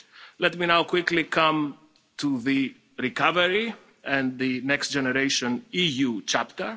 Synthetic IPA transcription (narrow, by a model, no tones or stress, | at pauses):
lɛtminawkwiklikʰʌ̃m | tuði | ɾikavəɹi | ɛ̃nðinɛkst̚d͡ʒeneɾeʃõnijut͡ʃapt̪ə˞